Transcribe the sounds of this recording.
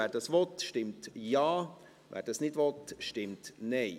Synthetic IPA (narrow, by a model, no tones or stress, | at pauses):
æːɾd̥ɑsʋɔtʃtɪmtjɑː | vɛ̰ːɾdɑsnɪdvɔtʃtɪmtnɛɪ